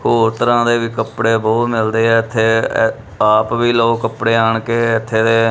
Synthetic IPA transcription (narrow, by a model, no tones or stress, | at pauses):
koːt̪əɾãːd̪eːʋiːkəpɽeːbɔːt̪mɪld̪eːɦɛːɪt̪ʰːeː | aːpʋiːloːkːəpɽeːaːɳkeːɪt̪ʰːeːd̪eː